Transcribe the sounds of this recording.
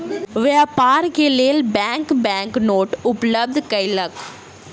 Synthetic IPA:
ʋeɐpaːɾkelelbaːŋkbaːŋknoːʈʊplɐb̚d̪kɐɪlɐk

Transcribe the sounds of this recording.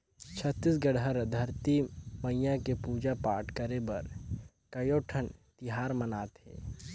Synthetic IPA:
t͡ʃʰət̪ːisɡəɽɦəɾd̪ʱəɾt̪iməijãkepuːd͡ʒapaːɾʈʰkəɾebɐɾ | kɐjoːʈʰənt̪ɪɦaːɾmənaːt̪ɦɛ̰ː

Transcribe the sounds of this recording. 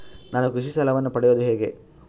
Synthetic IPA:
naːnukɾuʂisɐlɐʋɐnːupɐɽɛjoːd̪uɦeːɡe̞

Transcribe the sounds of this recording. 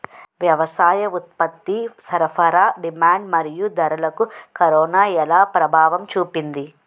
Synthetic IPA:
ʋjɐʋɐsaːjɐut̪̚pɐt̪ːisɐɾɐpʰɐɾaːɖimaːɳɖmɐɾijud̪ɐɾɐlɐkukɐɾɔːnaːɛlaːpɾɐbʱaːʋɐmt͡ʃuːpind̪i

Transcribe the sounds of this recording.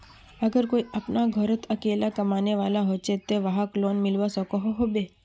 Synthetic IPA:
əɡəɾkoiapnaɡʱəɾət̪ʰəkelakəmaneʋalaɦot͡ʃʰet̪eʋaɦaklonmɪlʋasəkoɦoɦobe

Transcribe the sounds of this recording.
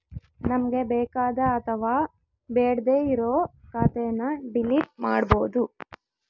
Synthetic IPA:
nɐmɐɡe̞bɛːkaːd̪ɐːt̪ʰɐʋaː | beːɽd̪eːiɾoːkaːt̪ɛjɐnːɐɖiliːʈ̚ma̰ːɽbo̞ːd̪u

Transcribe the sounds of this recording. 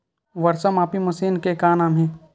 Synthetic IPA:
ʋɐɾsəmaːpimʊsiːnkekaːnaːmɦẽː

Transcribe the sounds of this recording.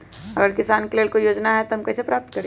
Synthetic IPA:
ɐɡəɾkɪsaːnkeleːɭkojoːd͡ʒnaɦɛt̪oɦɐmkɛːsepɾaːp̚t̪kɐɾe

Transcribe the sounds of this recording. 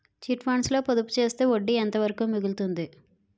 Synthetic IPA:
t͡ʃiʈʋaːɳslo̞ːpoðupːu̥t͡ʃe̞ːst̪eːoɖːiɛnt̪ɐʋɐɾɐkumiɡult̪und̪i

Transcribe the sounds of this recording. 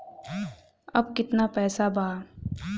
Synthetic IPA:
ɐ̰bkɪt̪napɛːsabaː

